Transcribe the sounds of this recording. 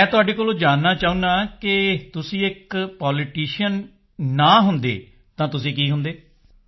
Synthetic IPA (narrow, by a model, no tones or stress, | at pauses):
ɛ̃ːt̪ʊaːɖeːkoːlõːd͡ʒaːnːaːt͡ʃaːũːnd̪ãːkɪt̪ʊsĩːɪkpaːlɪʈiːʃənː | aːɦʊnd̪ḛː | t̪ãːt̪ʊsĩːkiːɦʊnd̪eː